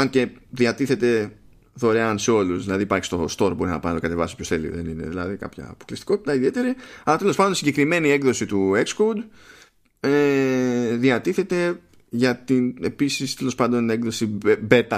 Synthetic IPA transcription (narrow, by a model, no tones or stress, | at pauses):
ɐnce̞ðiɐt̪iθet̪e̞ | ðo̞ɾe̞ɐnseo̞luzðilɐðiːpɐɾçi̥st̪ost̪o̞ɾbo̞ɾinɐpɐnt̪okɐt̪e̞vɐsopço̞sθe̞lḭðe̞̰nḭne̞̰ðilɐ̰ðikɐ̰pçɐ̰ːpo̞klist̪i̥ko̞t̪i̥t̪ɐiðie̞t̪e̞ɾiɐlɐt̪e̞lo̞spɐndonsiɲɟe̞kɾime̞nie̞ɡðo̞sit̪ue̞kskowd̪ | e | ðiɐt̪iθe̞t̪e̞ | ʝɐt̪ine̞pisist̪e̞lo̞spɐnd̪o̞ne̞kðo̞sibe̞ɾt̪ɐ